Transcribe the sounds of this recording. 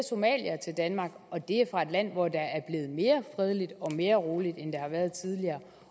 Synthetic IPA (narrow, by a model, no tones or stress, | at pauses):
so̝mɛ̰ːl̰jæt͡sʰe̝ld̥ænmɑ̈ːɡ̥ɒ̽d̥e̝æfʁɑ̈e̝d̥læn̰ʋɒd̥ɑ̈æɐb̥le̝ːð̩ˠme̝ːɐfʁɛð̞ˠəlid̥ɒ̽me̝ːɐʁo̝ːlid̥end̥e̝hɑ̈ʋæɐð̩ˠt͡sʰið̞ˠliɐː